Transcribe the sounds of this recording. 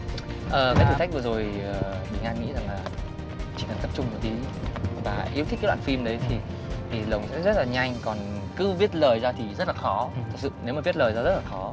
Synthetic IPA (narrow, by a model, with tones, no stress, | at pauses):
ʔəː˨˩kaː˨˦t̪ɨ˧˩t̪ʰa˦˥k̚vɨ˨˩zo˨˩jʔəː˨˩ɓï˨˩ŋʔaː˧nŋḭ˧˥za˨˩ŋlaː˨˩ | t͡ɕi˨˧˩kə˨˩nt̪ə˨˩p̚t͡ɕʊ˧ŋ͡mmo˨˩t̪i˨˦vaː˨˩ʔi˨˦t̪̚ʰaː˨˦w̰a̰ː˧˨˩fi˧mɗə˨˦jt̪ʰi˨˩ | t̪ʰi˨˩lə˨˩wŋ͡msɛ̰˧˥zə˦˥t̚laː˨˩ɲa˧jŋ̟kɔ˨˩n | kɨ˨˦vi˦˥ət̚ləː˨˩jzaː˧t̪ʰi˨˩zə˦˥t̚laː˨˩xɔ˨˦t̪ʰə˩t̚sɨ̰˧˨ne˨˦wmaː˨˩vi˦˥ət̚ləː˨˩jzaː˧zə˦˥t̚laː˨˩xɔ˨˦